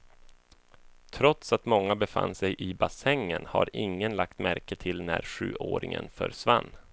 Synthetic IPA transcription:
t̪ʰɾɔt̪sat̪mɔŋːabɛfa̰nːsɛjʔɪbasɛŋːənha̰ɾɪŋːənlak̚t̪mæɾkət̪ʰɪlnæɾɧʉ̟ːʔoːɾɪŋə̰nfœɾsvanː

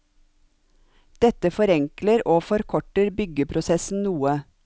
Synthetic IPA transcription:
d̪̥ɛt̪əfɔɾɛŋkləɾoːfɔɾkʰɔʈəɾbʏɡəpʰɾʊsɛsn̩nuːə

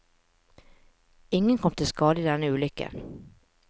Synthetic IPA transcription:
ɪŋːənkʰɔmt̪ʰɪlskɑːd̪əɪd̪ɛnːəʉːlʏkːə̰

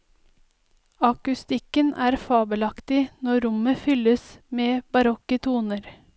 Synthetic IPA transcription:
ɑkʉst̪ɪkənʔæːɾfɑːbəlɑkt̪ɪnɔɾʊməfʏləsmeːbɑɾɔkət̪ʰuːnəɾ

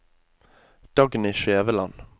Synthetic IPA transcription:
d̪̥ɑɡniːʃeːʋəlɑ̰n

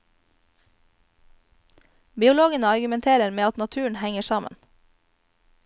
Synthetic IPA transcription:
bɪːʊloːɡənəɑɾɡʉmɛnt̪ʰeːɾəɾmeːɑt̪nɑt̪ʰʉːɳ̩hæŋəʃɑːmə̰n

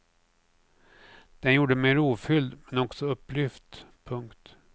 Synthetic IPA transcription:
d̪̥ɛnjuːɖəmeːɾuːfʏld̪mɛnɔksɔɵpːlʏft̪pʰɵŋkt̪

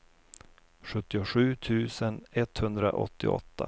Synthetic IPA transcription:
ɧɵt̪ːɪʊɧʉ̟ːt̪ʰʉ̟ːsənɛt̪hɵnd̪ɾa̰ʔɔ̰t̪ːɪ̰ɔ̰t̪ːa̰

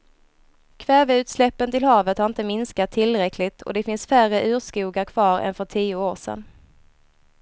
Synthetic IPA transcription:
kʰvɛːvɛʉ̟ːt̪slɛpːənt̪ɪlhɑːvət̪haɾɪnt̪əmɪnskat̪ʰːɪlːɾɛkʰlɪt̪ʰɔ̰d̪ɛfɪnsfærəʔʉ̟ːɾʂkuːɡaɾkʰv̥ɑːɾɛ̰nfœʈʰiːʊoːʂɛ̰n

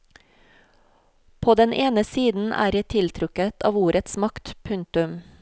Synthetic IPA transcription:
pʰoːd̪ɛnʔeːnəsiːd̪n̩ʔæ̰ːɾjæɪt̪ʰɪlt̪ʰɾʉkət̪ʰɑːʋuːɾʔət̪smɑkt̪pʰʉnt̪ʉm

